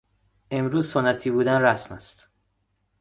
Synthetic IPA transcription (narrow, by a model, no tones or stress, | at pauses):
ʔe̞mɾuːzsonæt̪ʰiːbuːd̪ænræsmæst̪